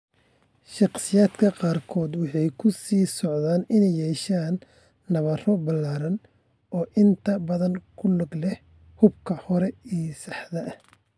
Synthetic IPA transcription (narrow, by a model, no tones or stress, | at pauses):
ʃɑqsɪjaːd̪kʰɐqɑːrkʰɔːd̪wɑħɑjkʰʊsiːsɔʕðaːnɪnɛjːɛːʃaːnː | ɐβɐrɔbɐlːaːɾɐn | ʔɔːʔɪnt̪ʰɐbɐðɐnkʰʊlʊɡlɛh | hʊbkʰɐhɔɾɛiːjsɑħðɐʔɐh